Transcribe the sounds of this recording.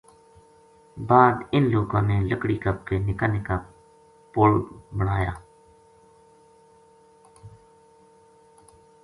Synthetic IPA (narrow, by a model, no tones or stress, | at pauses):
baːd̪ɪnloːkãːmẽːləkɽiːkəb̚keːnɪkaneːkaː | polbəɳaːja̰ː